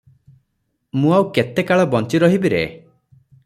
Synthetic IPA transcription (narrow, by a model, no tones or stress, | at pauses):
mũawket̪ekaɭɔbɔnt͡ʃiɾɔɦibiɾḛ